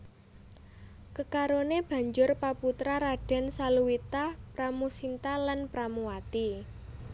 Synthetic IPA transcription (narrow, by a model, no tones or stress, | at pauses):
kəkaɾoneb̥a̤ɲd͡ʒʊrpaput̪ɾaɾaɖ̥a̤nsaluwit̪apɾamusint̪alanpɾamuwat̪i